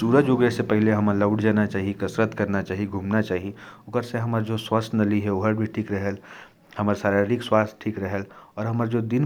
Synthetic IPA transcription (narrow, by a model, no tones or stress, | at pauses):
suːɾəd͡ʒʊɡɾesepɛɦleɦɐmələʊɽd͡ʒaːnat͡ʃaːɦiekɐsɾət̪kɐɾnat͡ʃaːɦiɡʱuːmnat͡ʃaːɦiʊɡəɾseɦɐməɾd͡ʒoswəsnɐliɦɛoɦəɾbʱiʈʰiːkɾəɦəl | hɐməɾsaːɾeɾikswaːst̪ʈʰiːkɾəɦəlɔːɾɦɐməɾd͡ʒoːd̪ɪn